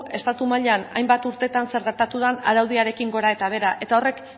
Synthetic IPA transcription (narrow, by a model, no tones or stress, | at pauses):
e̞st̪at̪umaʎeana̰jmbat̪uɾt̪e̞t̪anse̞ɾɣe̞ɾt̪at̪uð̞anaɾawð̞iaɾe̞kiŋɡo̞ɾae̞t̪aβ̞e̞ɾaʔe̞t̪ao̞re̞k